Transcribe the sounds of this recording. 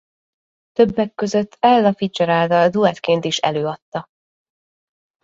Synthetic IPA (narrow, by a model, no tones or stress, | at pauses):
t̪øbːɛkːø̞zøt̪ːɛlːɒfit͡ʃɛɾaːlt̪ɒld̪uɛt̪keːnt̪iʃɛ̰løːɒt̪ːɒ